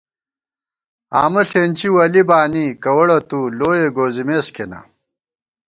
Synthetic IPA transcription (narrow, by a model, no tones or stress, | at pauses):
a̰ːmɐɬeːnʲt͡ɕiwɐlibaːnikɐwɐɽɐt̪uloːjeɡoːzimeːskʰenɐ̰